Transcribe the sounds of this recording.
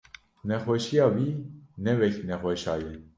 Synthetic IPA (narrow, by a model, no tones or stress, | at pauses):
nɛxwɛʃijɑːviːnɛvɛknɛxʷɛʃɑ̰ːjɛ